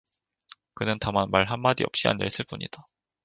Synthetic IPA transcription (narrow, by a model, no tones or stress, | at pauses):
kɯnɯntamanmaɭɦamːadḭʌp̚ɕ͈ia̰ndḛɭs͈ɯɭp͈uɲḭd̥a